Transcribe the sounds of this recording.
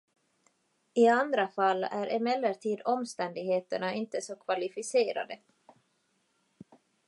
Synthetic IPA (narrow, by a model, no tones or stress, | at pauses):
ɪand̪ɾafalːæɾʔɛmɛlːəʈʰiːd̪ɔmst̪ɛnd̪ɪɡheːt̪əɳaɪnt̪əsɔkʰvalɪfɪseːɾa̰d̪ə